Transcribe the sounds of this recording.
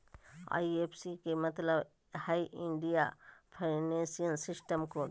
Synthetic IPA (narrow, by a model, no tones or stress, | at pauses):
a̰ːiepʰsikemɐt̪ləb | haːiʔɪ̃ɳɖijapʰaɪnẽːsijənsɪsʈəmko